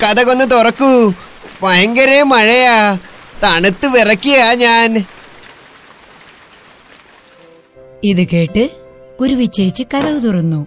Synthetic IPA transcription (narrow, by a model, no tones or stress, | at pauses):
kɐðɐɣo̞nːɨt̪urɐkːuʋɐjɐŋɡɐɾemɐɻɐjat̪ɐɳut̪ːɨʋirɐkːiɣaːɲaːn | iðuke̞ːʈːɨɡ̥uɾuʋit͡ɕːɐjit͡ɕːɨkɐðɐʋɨt̪urɐnːu